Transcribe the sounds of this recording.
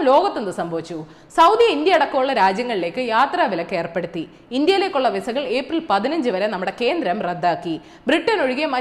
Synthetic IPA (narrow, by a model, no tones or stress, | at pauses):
lo̞ːɣɐt̪ːenːɨsɐmbʱɐʋit͡ɕːu | sɐwd̪ijɐind̪jɐɐɽɐkːɐuɭːɐɾaːd͡ʑjɐŋːɐɭile̞ːkːɨjaːt̪raːʋilɐkːe̞ːrpeɽut̪ːi | ind̪jɐjle̞ːkːuɭːɐʋisɐɣɐɭe̞ːprilpɐðinɐɲd͡ʑɨʋɐɾɐnɐmːuɽe̞ke̞ːnd̪ɾɐmred̪ːaːkːi | briʈːɐno̞ɻuɣemɐ